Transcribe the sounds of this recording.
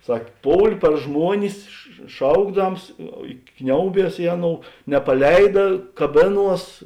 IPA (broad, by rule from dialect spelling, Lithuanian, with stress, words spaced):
ˈsɐkʲ ˈpoːʊlʲ pɐr ˈʒmuɔnʲɪs ʃ ˈʃɐʊɡdɐms ɪ ˈknʲɛʊˌbʲiɛs ˈɪ ɐˌnoːʊ nʲɛpɐˈlʲɛɪdɐ kɐˈbʲeːˌnuɔs